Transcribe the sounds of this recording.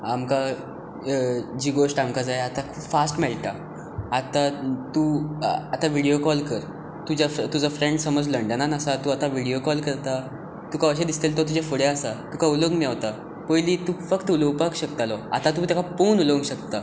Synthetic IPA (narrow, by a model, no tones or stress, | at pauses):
amka | d͡ʑiɡoʂʈamkad͡zajat̪akʰuːpfasʈmɛlʈ̪a | at̪at̪uat̪aʋiɽijokɔlkəɾ | t̪ud͡ʑaft̪ud͡zafɾẽɳɖsəməd͡zləɳɖənanəsat̪uːat̪aʋiɽiokɔlkəɾt̪a | t̪ukaʋəɕ̬ed̪ist̪elt̪ɔt̪̬ud͡ʑafəɽeasat̪ukauləɡmjaʋt̪a | pəjlit̪uːfəkt̪uləwpakɕəkt̪alɔa̰t̪at̪ũt̪jakaponuləʋəɡɕək̚t̪a